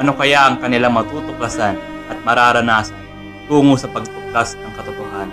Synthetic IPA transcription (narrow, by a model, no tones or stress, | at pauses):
ʔɐno̞kɐjaʔɐŋkɐnɪlaŋmɐt̪uːt̪ʊklasan | ʔɐt̪̚mɐɾaːɾɐnasɐ | t̪uːŋʊsɐpɐɡ̚t̪ʊk̚kasnɐŋkɐt̪ʊt̪ohaːn